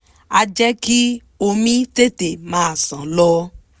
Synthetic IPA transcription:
a˦˧d͡ʒɛ˦ki˦ | o˧mĩ˦te˦te˨mãː˨˦a˦˨sã˨˦lɔ˧

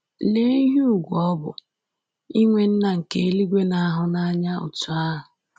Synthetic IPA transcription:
le˦i˦ɦi˦u˨ɡʷɔ˦bʊ̰˨ | i˦ŋʷe˨n̩˦na˨ŋ̩˨ke˨e˦li˦ɡʷe˦na˦a˦ɦʊ˨na˦a˦ɲa˦ʊ̰˨tʊ˨a˦ɦʊ˨

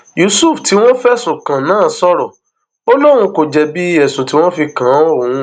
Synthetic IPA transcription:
ju˨˦su˦˨fti˨˦w̃ɔ̃˦fɛ˦sõ˨kã˨nãː˦˨sɔ˦ɾɔ˨ | o˦lo˦ɾ̃ũ˧ko˨d͡ʒɛ˧bi˦ɛ˨sũ˨ti˦w̃ɔ̃˦fi˧kã˨˦õ˦˨ũ˧˦

